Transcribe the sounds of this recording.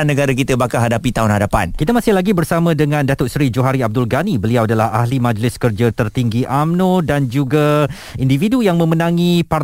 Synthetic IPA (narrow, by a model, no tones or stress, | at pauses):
anːəɡaɾak̬it̪əbakaɦadapit̪aɦʊnhadapa̰nkit̪amasɪhlaɡibərsamãdəŋãndat̪ʊʔsɾid͡ʒoɦaɾiab̚dʊlɡanibəliawadalaha̰hlimãd͡ʒlɪskərd͡ʒat̪ərt̪iŋɡiʔamnõdand͡ʒuɡa | individujaŋmə̃mənãŋĩpar